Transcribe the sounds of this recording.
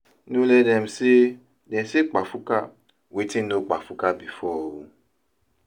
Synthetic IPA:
nũlɛdɛ̃m̩si | dɛ̃msik͡pafuka | wetĩnok͡pafukabifɔo

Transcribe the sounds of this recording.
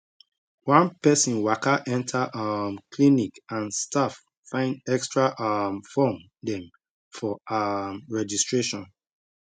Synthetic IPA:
wãnpɛsĩnwakaʔɛ̃ntʰaʔamkʰlinikãnstʰaf | fãɪ̃ndɛkstɹaʔamfɔm | dɛ̃m | fɔamɹɛd͡ʒistɹeʃɔ̃n

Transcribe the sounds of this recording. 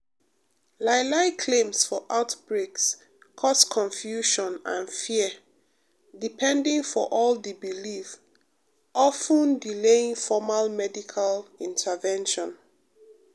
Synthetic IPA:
laɪlaɪkʰlẽmsfɔʔaʊtbɹeks | kʰɔskʰɔ̃ɱfjuʃɔ̃nã̰nfiə | dipʰɛ̃ndĩŋfɔʔɔldibilif | ʔɔfə̃ndilẽŋfɔmalmɛdikʰalĩntʰəvɛ̃nʃɔ̃n

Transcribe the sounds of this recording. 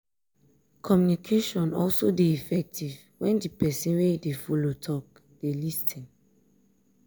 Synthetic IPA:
kʰɔmjunikʰeʃɔ̃nɔ̰lsodeifɛk̚tʰiv | wɛ̃ndipɛsĩnwedefolotʰɔk̚ | d̥elistʰĩn

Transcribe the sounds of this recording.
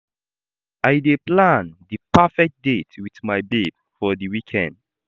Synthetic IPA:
ajdeplãndipafɛk̚t̚detwitmajbed | fɔdiwikʰɛ̰̃nd

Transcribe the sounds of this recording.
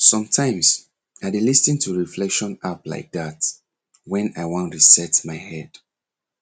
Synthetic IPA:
sɔ̃mtʰãɪ̃ms | aɪdilistĩntʰuɹiflɛkʃɔ̃napla̰ɪk̚dat | wɛ̃naɪwɔ̃ntisɛtmaɪhɛd̥

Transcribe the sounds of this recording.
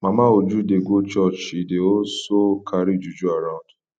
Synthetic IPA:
mãmãod͡ʒudeɡot͡ʃɔt͡ʃideosokʰaɾid͡ʒud͡ʒuaɾãnd

